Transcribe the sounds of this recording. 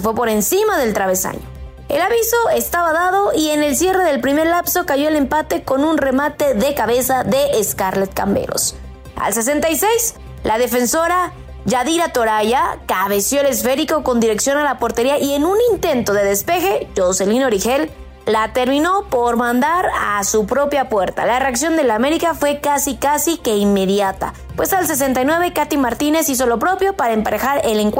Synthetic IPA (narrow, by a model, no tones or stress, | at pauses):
sefwe̞po̞ɾe̞nsimaðe̞lt̪ɾaβe̞sa̰ɲo | e̞̰laβiso̞e̞st̪aβaðaðo̞ie̞ne̞lsje̞re̞ðe̞lpɾime̞ɾlapso̞kaʝo̞ele̞mpat̪e̞ko̞nunre̞mat̪e̞ðe̞kaβe̞saðe̞ʔːskaɾlet̪̚ka̰mbḛɾo̞̰s | a̰ls̬e̞s̬e̞nt̪ajse̞js | laðe̞fe̞nso̞ɾa | ʝaðiɾat̪o̞ɾaʝakaβ̞e̞sjoele̞sfe̞ɾiko̞ko̞nd̪iɾe̞ksjo̞nalapo̞ɾt̪e̞ɾiaʔie̞nunint̪e̞nt̪o̞ðe̞ðe̞spe̞xe̞ʝo̞se̞lino̞ɾixe̞lː | at̪e̞ɾmĩno̞po̞ɾmãnd̪aɾasupɾo̞pjapwe̞ɾt̪a̰lare̞aksjo̞nd̪e̞lame̞ɾikafwe̞kasikasike̞imme̞ðjat̪a̰ | pwe̞sals̬e̞s̬e̞nt̪ajnwe̞β̞e̞kat̪imaɾt̪ine̞sis̬o̞lo̞pɾo̞pjo̞paɾaempaɾexaɾe̞leŋk